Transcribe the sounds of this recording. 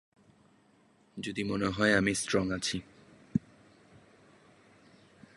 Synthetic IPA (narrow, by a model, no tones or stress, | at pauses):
d͡ʑod̪imoneɦɔeamistɾɔŋat͡ɕʰi